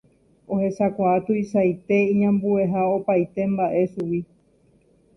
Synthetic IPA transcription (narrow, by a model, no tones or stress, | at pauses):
o̞he̞sakʷaːt̪uisajt̪e̞ĩɲãmbue̞ɦaopajt̪e̞mbaʔe̞suwi